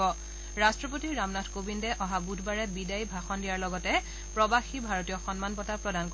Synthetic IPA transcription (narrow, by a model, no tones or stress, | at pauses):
ɔ | ɹastɹɔp̬otiɹamnatʰkobindɛʔɔɦabudʱbaɹɛbidajbʱaxɔndijaɹlɔɡɔtɛ | pɹɔbaxibʱaɹotijɔxɔnmanpɔtapɹɔdank